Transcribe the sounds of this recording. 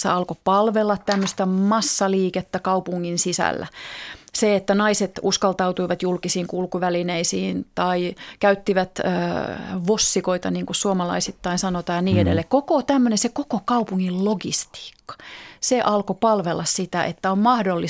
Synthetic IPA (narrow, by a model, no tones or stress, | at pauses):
sḛɑlkopɑlʋelːɑt̪t̪æmːøst̪æmɑsːɑliːket̪ːækɑupuŋːinsisæ̰lːæ̰seet̪ːænɑiset̪uskɑlt̪ɑut̪uiʋɑt̪julkisiːŋkulkuʋælineisiːnt̪ɑikæyt̪ːiʋæt̪ːʋosːikoit̪ɑniːŋkussuomɑlɑ̰isit̪ːɑinsɑnot̪ɑːnniːeɾelːekkokot̪æmːønensekokokɑupuŋːilloɡḭst̪i̥ːkːɑ̥seʔɑlkopɑlʋelːˑɑssit̪æʔḛt̪ːæommɑhdolːi